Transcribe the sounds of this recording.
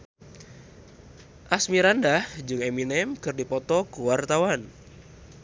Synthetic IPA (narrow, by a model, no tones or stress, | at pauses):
ʔasmiɾandahd͡ʒɨŋeminɛmkɨrdipɔt̪ɔkuwart̪awan